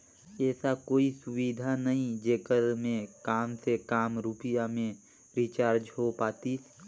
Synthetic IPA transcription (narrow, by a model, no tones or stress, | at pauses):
ɛːsakoːisʊwid̪ʱanəɦĩd͡ʒeːkəɾmẽkaːmsekaːmɾuːpɪjamẽ | ɾit͡ʃaːɾd͡ʒɦopaːt̪i